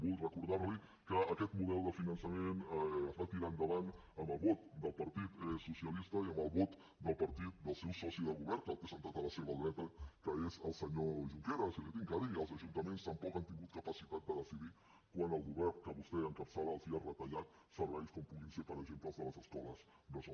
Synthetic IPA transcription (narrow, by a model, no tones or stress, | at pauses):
bulˠrəkuɾðaɾli | kəːkɛt̪muðɛlˠd̪əfinənsəmenəzβat̪iɾand̪əβan | əmbəlˠβɔt̪̚d̪əlˠpəɾˠt̪it̪susiəlist̪əiəmbəlˠβɔt̪ | d̪əlˠpəɾt̪it̪̚d̪əlˠsɛwsɔsiðəɣuβɛɾt̪əlˠt̪esənt̪at̪ələseβəlˠɾɛt̪əkəezəlˠsəɲoʒuŋkeɾəsilit̪iŋkaðiəlˠzəʒunt̪əmenst̪əmpɔkant̪iŋɡut̪̚kəpəsit̪at̪̚d̪əðəsiði | kwanəlˠɣuβɛrnkəβust̪ɛəŋkəpsaβəːlˠziərət̪əʎat̪̚ | səɾβɛjskɔmpuɣinsepəɾəɡzempləlˠzðələzəskɔləz | nəz